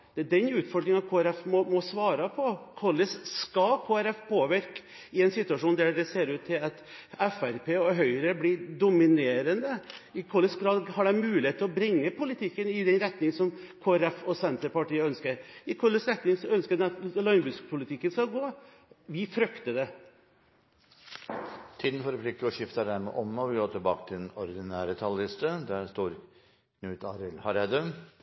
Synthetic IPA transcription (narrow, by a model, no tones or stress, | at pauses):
d̪̥ɛæɖɛnʉːt̪fɔɾɖɾɪŋɑt̪kʰoːæɾɛfmɔmɔsʋɑːɾɑpʰɔkʰɔləsskɑkʰoːæɾɛfpʰoːʋɪɾk | ɪɛnsɪt̪ːʉɑʂuːnd̪æd̪ɛseːɾʉːt̪ʰːɪlɑt̪ɛfæɾpʰeːɔɦœʏɾəblɪd̪ʊmɪneːɾənd̪əɪkʰɔləsɡɾɑːd̪hɑɖɛɪmʉːlɪheːt̪ʰːəlɔbɾɪŋːəpʰʊlɪt̪ʰɪkːənɪd̪ɛnɾɛt̪nɪŋsɔmkʰoːæɾɛfɔsɛnt̪əɾpɑʈiːəœnskəɾɪkʰɔləsɾɛt̪nɪŋsɔœnskəɑt̪lɔɪnbʉskpʰʊlɪt̪ʰɪkːənskɑlɡoː | ʋɪfɾʏkt̪əd̪ɛ | t̪ʰiːd̪n̩fɔɾfʰlɪk̚t̪əɔʂɪft̪əɖ̪æɾmɛ̰ʔɔmːɔʋɪɡoːʈ̪ʰɪlbɑːkət̪ʰɪlɛnɔɾɪd̪ɪnæːɾət̪ʰɑlɪst̪əd̪æst̪uːɾ | kʰnʉːt̪ʰɑɾɪlhɑɾɛd̪ə